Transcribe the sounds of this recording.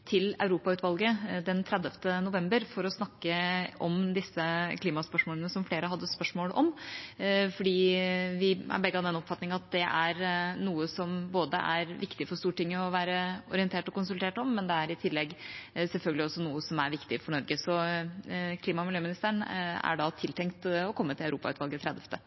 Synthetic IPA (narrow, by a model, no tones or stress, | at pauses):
t̪ʰɪlɑ̰ʉɾuːpɑʉːt̪ʰʋɑlɡəd̪ɛnt̪ʰɾɛd̪əft̪ənʊʋɛmbəɾfɔɾɔsnɑkːəɔmd̪ɪsːəkʰliːmɑspœʂmoːlənəsɔmfleːɾəɦɑd̪ːəspœʂmoːlʔɔm | fɔɖiːʋɪæ̰ɾbɛɡːəɑd̪ɛnɔpfɑt̪ːnɪŋɑt̪̚d̪ɛʔæɾnuːəsɔmboːd̪əʔæ̰ɾʋɪkt̪ɪfɔʂt̪uːʈɪŋːəɔʋæːɾəɔɾɪənt̪ʰeːʈɔkʊnsʉlt̪ʰeːʈɔmːɛnd̪ɛæɾɪt̪ʰɪlːɛɡsɛlfœlɡəlɪɔsːɔnuːəsɔmæɾʋɪkt̪ɪfɔɳɔɾɡəsɔ | kʰliːmɑmɪljøːmɪnɪst̪əɳæ̰ɖɑt̪ʰɪlt̪ʰɛŋkt̪ɔkʰɔmːət̪ʰɪlœʉɾuːpɑ̰ʉːt̪ʋɑlɡət̪ʰɾɛd̪əft̪ʰə